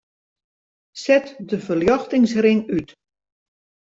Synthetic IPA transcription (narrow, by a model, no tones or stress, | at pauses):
sɛtdəvəljɔxtɪŋsrɪŋyt